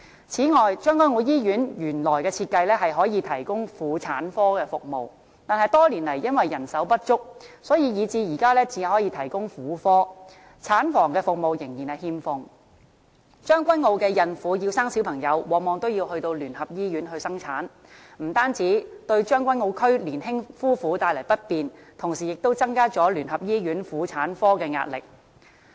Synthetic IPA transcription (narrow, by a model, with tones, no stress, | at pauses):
t͡sʰiː˨˥ŋɔː˨jt͡ʃœː˥ŋkʷwɐ˥nŋo˧wjiː˥jyː˨˥njyː˨˩nlɔː˨˩jkɛː˧t͡sʰiː˧t̚kɐ˧jlɛː˥ɦɐ˨jɦɔː˨˥jiː˧t̪ʰɐ˨˩jkʊ˥ŋfuː˨˧t͡sʰaː˨˥nfɔː˥kɛː˧fʊ˨k̚mo̰˨w | t̪aː˨nɦɐ˨˧jt̪ɔː˥li˨˩nlɐ˨˩jːɐ˥nwɐ˨jːɐ˨˩nsɐ˨˥wpɐ˥t̚t͡ʃʊ˥k̚sɔː˨˥jiː˨˧jiː˨˧t͡siː˧jiː˨˩kaː˥lɛː˥t͡siː˨˧˨hɔː˨˥jiː˧t̪ʰɐ˨˩jkʊ˥ŋfuː˨˥fɔː˥ | t͡sʰaː˨˥nfɔː˨˩ŋkɛː˧fʊ˨k̚mo˨wjɪ˨˩ŋjiː˨˩nɐ˨˩jhiː˧mfʊ˧ŋ | t͡ʃœː˥ŋkʷɐ˥nŋo˧wkɛː˧jɐ˨nfuː˨˥jiː˧wsaː˥ŋsiː˨˥wpʰɐ˨˩ŋjɐ˨˧wwɔː˨k̚mɔː˨˧ŋt̪o˥wjiː˧whɵ˧ɥt̪o˧wlyː˨˩nhɐ˨p̚jiː˥jyː˨˥nɦɵ˧ɥsɐ˥ŋt͡sʰaː˨˥n | m̩˨˩t̪aː˥nt͡siː˨˥t̪ɵ˧ɥt͡ʃœː˥ŋkʷɐ˥nŋo˧wkʰɵ˥ɥliː˨˩nɦɪ˥ŋfuː˥fuː˨˥t̪aː˧jlɐ˨˩jpɐ˥t̚piː˧n | t̪ʰʊ˨˩ŋsiː˨˩jɪ˨k̚t̪o˥wt͡sɐ˥ŋkaː˥t͡sɔː˨˥lyː˨˩nɦɐ˨p̚jiː˥jyː˨˥nfuː˨˥t͡sʰaː˨˥nfɔː˥kɛː˧ŋa̰ː˧t̚lɪ̰˨k̚